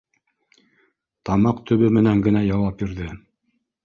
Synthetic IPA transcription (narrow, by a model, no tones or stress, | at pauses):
t̪ɑmɑqt̪ʰɵ̆βɵmɘ̆næŋɡɘ̆næjɑwɑp̚biɾðɘ